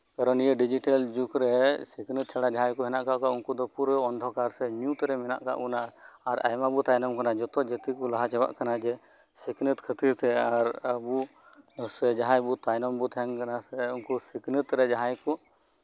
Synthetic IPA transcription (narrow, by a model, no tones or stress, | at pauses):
kaɾɔnijəɖid͡ʒiʈald͡ʒukɾɛsiknɨt̪̚t͡ʃʰaɽad͡ʒaɦãjkɔɦɛnaʔkaʔkaʔunkud̪ɔpuɾəɔnd̪ʱɔkaɾsɛɲut̪ɛɾɛmɛna̰ʔka̰ʔunaʔaɾa̰jmabut̪ajnɔmkanad͡ʒɔt̪ɔd͡ʒət̪ikɔlaɦat͡ʃɛba̰ʔkanad͡ʒɛ | siknɨt̪kʰət̪iɾt̪ɛaɾəbu | sɛd͡ʒaɦãjbut̪ajnɔmbut̪ʰɛŋkanasɛunkusiknɨt̪ɾɛd͡ʒaɦãjkɔʔ